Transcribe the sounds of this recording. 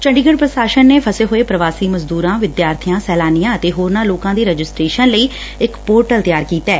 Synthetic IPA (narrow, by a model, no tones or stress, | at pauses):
t͡ʃəɳɖiːɡəɽpɾəsaːʃənːeːpʰəseːɦoːeːpɾəʋaːsiːməzd̪uːɾãːʋɪd̪jaːɾt̪ʰijãːsɛːlaːnijãːət̪eːɦoːɾnãːloːkãːd̪iːɾɛd͡ʒɪsʈɾeːʃənləiː | ɪkpoːɾʈəlt̪jaːɾkiːt̪ɛː